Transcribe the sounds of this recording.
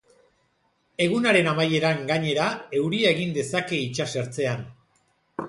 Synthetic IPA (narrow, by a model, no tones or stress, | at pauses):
e̞ɣ̞unaɾe̞namaje̞ɾaŋɡaɲe̞ɾae̞wɾiaeɣind̪e̞sake̞it͡ʃase̞ɾt͡se̞an